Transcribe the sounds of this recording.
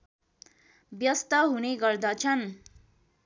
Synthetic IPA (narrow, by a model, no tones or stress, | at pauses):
bjʌst̪ʌɦuneɡʌrd̪ʌt͡sʰʌn